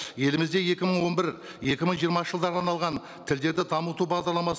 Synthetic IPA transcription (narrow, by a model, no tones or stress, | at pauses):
je̞lɪmɪzd̪e̞je̞kʲɪməɴwo̞nbɪɾ | je̞kʲɪməɴʒijəɾmɑəʒəlˠd̪ɑɾd̪ɑnɑlˠʁɑn | t̪ʰɪld̪e̞ɾd̪ɪt̪ʰɑmut̪ubɑʁd̪ɑɾlˠɑmɑs